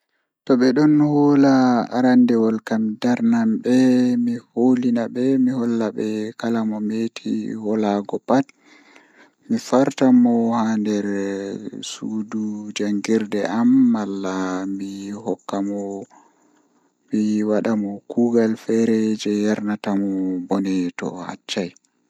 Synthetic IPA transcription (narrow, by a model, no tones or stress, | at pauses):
tɔɓɛɗɔnhɔːlaa̰ɾandɛwɔlkamdaɾnambɛmiholinaɓɛmihɔlːaɓɛkalamɔmetʰḭhɔlaɡɔpat | mifaɾtamɔhandɛɾ | sudud͡ʒaŋɡiɾdɛʔamːalːamihɔkːamɔ | miwaɗamɔkuːɡalfɛɾɛd͡ʒɛjaɾnatamɔbɔnɛtɔ̰ha̰t͡ʃːaj